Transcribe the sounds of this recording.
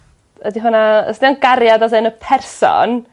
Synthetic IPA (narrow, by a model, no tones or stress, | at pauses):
ədiɦʊnaə̰sdɪanɡarjadaðɨnəpʰɛrsɔ̰n